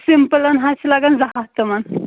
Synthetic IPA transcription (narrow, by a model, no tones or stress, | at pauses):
simpəlanɦaslaɡanzaɦat̪əman